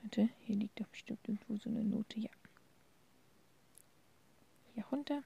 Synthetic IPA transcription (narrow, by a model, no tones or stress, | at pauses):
tʰəhiːɐliːk̚tafb̥ə̥ʃtɪmtʔɪɐɡŋ̩tv̥oːzoːnəno̰ːtʰəja | hjaʁʊntɐ